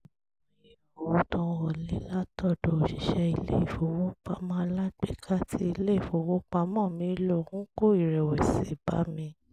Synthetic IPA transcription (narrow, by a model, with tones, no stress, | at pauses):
i˨ | o˨wo˨˦tɔ̃˧ɔ˨li˨˦la˦tɔ˦˨dɔ˨o˨ʃi˨ʃɛ˧i˧lḛ˦i˨fo˨wo˦k͡pa˧mã˦˧la˦ɡ͡bḛ˦˨kʰa˦ti˧˦i˧le˦i˦˨fo˨wo˦k͡pa˧mɔ̃˦˨mĩ˨˧˦lo˦˨hũ˦ko˦˨i˦˨ɾɛ˨wɛ˨se˨ba̰˨˦mĩ˧